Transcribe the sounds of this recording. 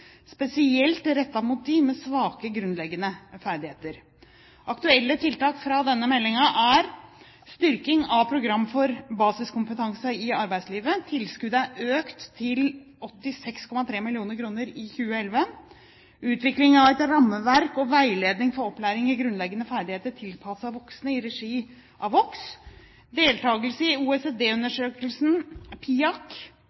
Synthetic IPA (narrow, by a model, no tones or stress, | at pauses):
spɛsɪɛlt̪ɾɛt̪ːɑmʊt̪̚d̪ɪmɛsʋɑːkəɡɾʉnlɛɡənəfæɾɖ̪ɪheːt̪əɾ | ʔɑkt̪ʉɛlːət̪ʰɪlt̪ɑːkfɾɑd̪ɛnːəmɛlːɪŋɑʔæɾ | st̪ʏɾkɪŋɑʋpʰɾʊɡɾɑmːfɔɾbɑːsɪskʊmpət̪ʰɑŋsəɪɑɾbæɪsliːʋət̪ʰɪlskʉd̪əæøːkt̪ʰːɪl | ɔt̪ːɪsɛkskʰɔmɑt̪ʰɾeːmɪlɪuːnəɾkʰɾuːnəɾɪçʉːəɛlʋə | ʉːt̪ʋɪklɪŋɑʋɛt̪ɾɑmːəʋæɾkɔʋæɪleːd̪nɪŋfɔɾɔpːlæːɾɪŋɪɡɾʉnlɛɡːənəfæːɖ̪ɪheːt̪əʈʰɪlpʰɑsɑʋɔksnəɪɾɛʂiː | ʔɑʋɔks | d̪eːlt̪ʰɑːɡəlsəɪuːɛseːd̪eːʉnəʂøːkəlsnpʰiːɑk